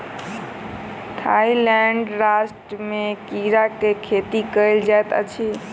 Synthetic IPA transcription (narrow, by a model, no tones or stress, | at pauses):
t̪ʰailɛɳɖɾasʈəmekiɾakekʰet̪ikəɪld͡ʒajt̪ə̰t͡ʃʰi